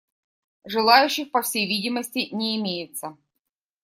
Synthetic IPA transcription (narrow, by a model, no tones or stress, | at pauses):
ʐɨlˠajʉɕːɪxpɐfsʲejvʲidʲɪməsʲtʲɪnʲɪːmʲejɪt̪sə